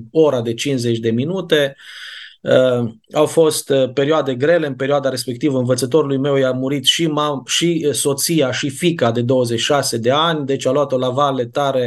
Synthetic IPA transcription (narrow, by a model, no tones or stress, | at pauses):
o̞ɾad̪e̞t͡ʃinsze̞t͡ʃʲd̪e̞minut̪e̞ | ə | awfo̞st̪pe̞ɾioad̪e̞ɡɾe̞le̞ɨnpeɾioad̪aɾe̞spe̞k̚t̪ivəɨnvət̪sət̪o̞ɾulujme̞wjamuɾit̪ʃimaʃiso̞t̪sijaʃifikad̪e̞d̪o̞wəze̞t͡ʃʃase̞d̪e̞anʲd̪e̞t͡ʃʲaloat̪o̞lavale̞t̪aɾe̞